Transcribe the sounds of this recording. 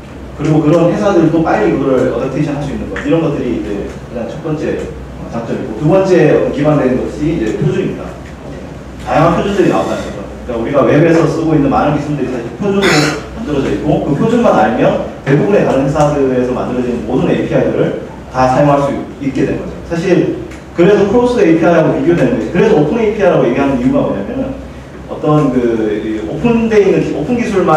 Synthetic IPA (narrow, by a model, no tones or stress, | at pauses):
kɯɾiɡokɯɾʌnhe̞sʰadɯɾitop͈aʎːiɡɾɯɭʌtʌtʰeɕʰinɦaɭs͈uinːɯnɡʌiɾʌnɡʌt͈ɯɾiːd͡ʑe̞kad͡ʑaŋt͡ɕʰʌk̚p͈ʌnt͡ɕ͈e̞ | ʌt͡ɕak̚t͡ɕ͈ʌmik͈otubʌnt͡ɕ͈e̞ʌkibandwe̞nnɡʌɕʰiid͡ʑe̞pʰjod͡ʑuimɲida̰ | e | tajaŋɦanpʰjod͡ʑundɯɾina̰ot͈anɯnɡʌd͡ʑʌkɯk͈auɾiɡawe̞wesʰʌs͈ɯɡoinːɯnmanɯnkisʰumndɯɾisʰaɕʰiɭpʰjod͡ʑunɯɾomandɯɾʌd͡ʑʌik͈okɯpʰjod͡ʑuɭmanaɲimjʌnte̞bubune̞kaɾɯnɦesʰadɯɾeːs̬ʰʌma̰ndɯɾʌd͡ʑinɯnmodɯnepʰiajdɯɾɯɭ | tasʰajoŋɦaɭs͈u | itk͈e̞dwe̞nŋɡʌd͡ʑo̰sʰaɕ̬ʰiɭ | kɯɾe̞sʰʌkʰɯɾos͈ʰɯejpʰiɦajɾaɡopiɡjodwe̞nɯndʌikɯɾe̞sʰʌopʰɯneipʰiɦaɾaɡoje̞ɡiɦanɯnijuɡamʌ̰ɲamjʌnɯn | ʌt͈ʌnkɯiopʰɯnde̞inɯnopʰɯnɡisʰuɭma